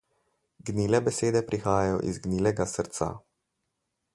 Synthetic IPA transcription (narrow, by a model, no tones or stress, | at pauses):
ɡniːlɛbɛseːd̪ɛpɾixaːjajɔ̰ʔḭzɡniːlɛɡasəɾt̪sa̰